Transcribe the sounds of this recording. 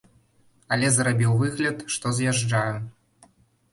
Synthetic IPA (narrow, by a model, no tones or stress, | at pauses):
alʲɛzrabʲiwvɨɣlʲɐt̪ʂt̪ɔzjaʐd͡ʐaju